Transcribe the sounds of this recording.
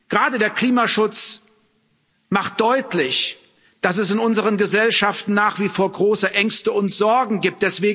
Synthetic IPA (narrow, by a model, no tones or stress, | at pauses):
ɡ̥ʁaːdədeːɐkl̥iːmaʃʊt͡s | maχt̚d̥ɔʏtlɪç | d̥as̬ɛsɪnʊnzəʁənɡəzɛlʃaftn̩naːχv̥ifoːɐɡʁoːsəʔɛŋstəʊntz̥ɔɐɡŋ̩ɡiːp̚t̚d̥ɛsv̥eːɡ